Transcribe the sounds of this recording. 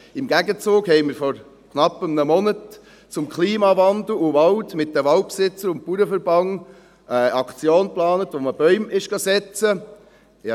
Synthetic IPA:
ɪmɡæɡət͡sʊːɡhɛɪmɪɾfɔɾ | kʰnɑpəmnəmɔnət | t͡sʊmkʰliːmɑʋɑnd̪l̩uʋɑltmɪt̚dəʋɑlt̚psɪt͡səɾʊntpuɾəfəɾbɑŋ | əɑkt͡sjoːnplɑːnət̪ʋoməb̥œʏmɪʃɡ̥ɑsɛt͡sə

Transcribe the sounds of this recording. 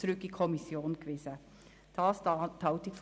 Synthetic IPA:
ʊɾʉkːikʰɔmɪsjoːnkʰʋɪsə | d̥ɑːst̪ʰɑʊt̪ɪkf

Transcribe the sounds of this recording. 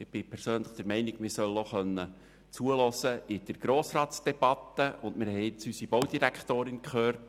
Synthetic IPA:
ɪb̥ɪpʰɛɾsøːnləχd̥̪ɛɾmɛɪnɪɡmɪɾsœloχœnːə | t͡suəlɔsəɪd̥̪əɾɡ̥ɾoːsrɑːtsd̥ɛb̥ɑt̪ːəʔʊndmɪɾhɛjɪt͡sysibowd̥iɾækχt̪oːɾɪnkχøːrt

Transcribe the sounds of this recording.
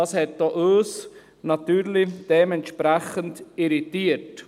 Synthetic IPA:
ɑshɛt̚d̥oʔøːs | nɑtyːɾlid̥ɛmɛntʃpɾɛχəntiɾitiət

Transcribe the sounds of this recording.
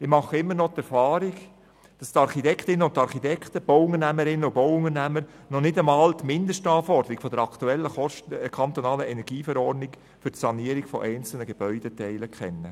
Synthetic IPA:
ɪmɑχːəɪmːənɔt̪ɛɾfɑːɾiɡ | d̥ɑst̪ɑɾχitɛkχtɪnːənʊntɑɾχitɛktəb̥oʊʊŋənæməɾɪnəʊboʊʊŋənæməɾ | nɔnɪdəmɑːlt̪mɪndəʃtɑːfɔɾdəɾikfɔd̥əɾɑkt̪uɛlːəɔkʰɑnt̪ɔnɑːləɛnɛɾɡiːfɛɾɔrdnɪk | fʏɾtsɑniəɾiɡ̥fɔ̰ʔɛɪnt͡sl̩nəɡeb̥œʏd̥etɛɪləkχɛnːə

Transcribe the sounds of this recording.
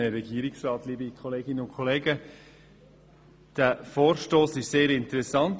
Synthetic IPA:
əɾɛɡ̥iːəɾɪksrɑːtliːbikʰχoleːɡɪnəʊnkʰɔleːɡə | d̥æfɔːɾʃtoːsɪʃseːɾɪntəɾɛsɑnt

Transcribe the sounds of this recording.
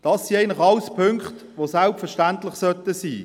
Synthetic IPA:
d̥ɑsːiːæɪnlɪχɑwspʰʏŋkχt | ʋosalpfɛʃtæntlɪχsœt̪əsiː

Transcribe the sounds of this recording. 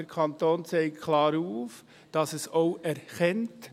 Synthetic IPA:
əɾkʰɑnt̪oːnt͡sɛɪkʰlɑːɾuːf | d̥ɑsɛsoʊʔɛɾχɛnt

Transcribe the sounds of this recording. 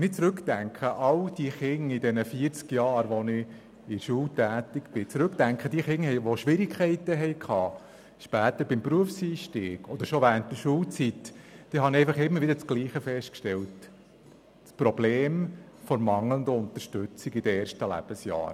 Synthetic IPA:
nɪt͡sɾɵktæŋkʰχəʔɑld̥iχɪŋɪd̪ɛnəfiːəɾt͡skjɑːɾʋɔnɪ | ɪʃuːltæːt̪ikb̥ɪt͡sɾʉktæŋkʰχəd̥iːχɪŋɦɛɪʋoʃʋɪɾikʰχɛɪtəɦɛjkʰχɑː | ʃpæːt̪əɾbɪmpɾuəfsiːʃtiːɡ̥ɔd̪̥əɾʃɔʋæːɾənt̚d̥̪əʃuːlt͡sitd̥iːɦɑnɛɪfɑχɪmːəɾʋɪdəɾt͡sɡ̥liːχəfɛʃtkʃtɛlt | spɾɔbleːm | fɔɾmɑŋlənd̪əʊnt̪əɾʃtøt͡sɪɡɪd̥əeːɾʃtəlæ̰b̥əsjɑ̰ːɾ

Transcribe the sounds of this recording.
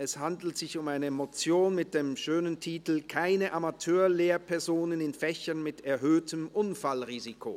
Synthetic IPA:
ɛshandl̩tz̥ɪçʊmaɪnəmot͡sjoːnmɪt̚d̥eːmʃøːnəntʰiːtl̩kʰaɪnəʔamatʰøːɐleːɐpʰɛɐzoːnənɪnfɛçɐnmɪtɛɐɦøːtəmʔʊnfalʁiːzikʰo̰

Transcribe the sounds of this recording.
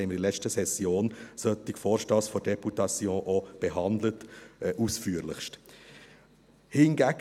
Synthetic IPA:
ɛɪməɾd̥ilɛt͡ʃtəsɛsjoːnsœt̪ːɪkfɔːɾʃtɑːsfɔɾd̥ɛputɑt͡sjõːʔɔb̥ɛɦɑnd̪lətʔusfyːəɾlɪχʃt | hɪnɡæɡ

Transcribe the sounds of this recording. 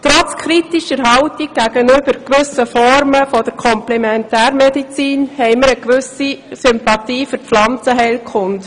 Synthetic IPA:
t̪ɾɔt͡skʰɾitiʃəɾɦɑʊtik̚ɡ̥æɡənʏbəɾkʋʏsəfɔɾməfɔd̥əɾkʰɔmplɛmɛntæːɾmɛdit͡siːnhɛɪməɾəkʋʏsisʏmpɑtiːfʏɾflɑnt͡səɦɛɪlkʰχʊnt

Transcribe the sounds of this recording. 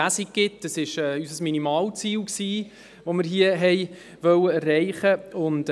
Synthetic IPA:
æsik̚ɡ̥ɪtəsɪʃɛːysəsminimɑːlt͡siːlksiː | ʋomɪɾɦiəɦɛj | ʋœwəɛrːɛɪχəʊnt

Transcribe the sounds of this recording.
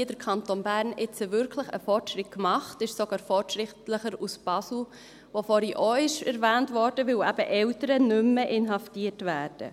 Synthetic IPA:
idəɾkʰɑntonbæːɾnɪt͡səvʏɾkʰləχə̰fɔrtʃɾɪt̚kmɑχtɪʃsoɡ̥ɑːɾfɔɾtʃʁɪtləχəɾusb̥ɑsl̩ | vofɔɾiʔoɪʃɛɾvæːntvɔɾd̥əvɪlæb̥əʔɛltəɾənʏmːəʔɪnɦɑftiːətvæːɾd̥ə̰

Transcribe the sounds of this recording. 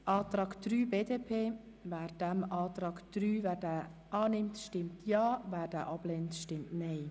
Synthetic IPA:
ʔɑːt̪ɾɑːkd̥ɾyːbeːdeːpʰeː | vɛːɾd̥ɛmɑːtɾɑːɡd̥ɾyːvɛːɾdɛʔɑːnɪmtʃtɪmtʰjɑːvæːɾd̥ɛːʔɑb̥lentʃtɪmtnɛɪ

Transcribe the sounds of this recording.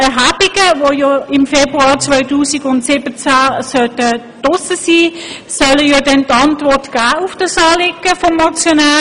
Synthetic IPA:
ɛɦaːbiɡ̥əvojɔɪmfebʁuɑːʁt͡sʋœʏtuːsiɡʊntsɪbət͡sasœtə | d̥ɔsəsiː | sœləjɔdɛntɑntvɔʁtɡ̥aːufd̥əsɑːlɪkːəfɔmːɑt͡sjonaː

